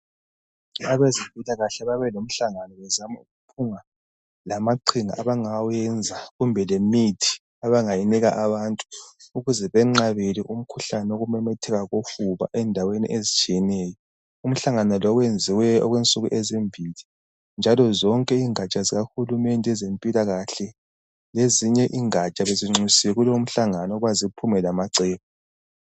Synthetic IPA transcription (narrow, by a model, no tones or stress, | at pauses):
aβezibʱulaɣaɬɛβaβɛlom̩ɬaŋanɔβɛzamauɣupʰuŋa | lamaǀʰiŋa̰aβaŋajɛnd͡zʱaɣumbʱɛlemitʰi̥ | aβaŋajiniɣa̰ʔaβantʼu̥uɣuzɛβɛŋ͡ǁaβeliʔum̩kʰuɬanɛoɣumɛmɛtʰɛɣaɣofuβa̰ʔɛndʱawenḭʔezit͡ʃʼiɛnɛːjɔ | um̩ɬaŋanɔlɔɣwend͡zʱiwɛɔ̰ɣwent͡sʼuɣuʔezimbʱili | nd͡ʒʱalɔzɔŋkʼɛiŋat͡ʃʼaziɣaxulumɛntʼɛɛzempʼilaɣaɬɛ | leziɲɛʔiːŋat͡ʃʼaβeziŋ͡ǀʱisiwɛɣuloum̩ɬaŋanɔɔɣwazipʰumɛlamaǀɛːβɔ